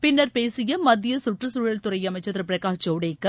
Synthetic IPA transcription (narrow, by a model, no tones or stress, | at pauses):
pɪnːɐɾpeːsɪjɐmɐd̪ɪjɐsʊʈrɐsuːɻɐɭt̪ʊɾɐjɐmɐɪt͡ʃːɐt̪ɾɐpɪɾɐkaːt͡ʃoːɽeːkːɐ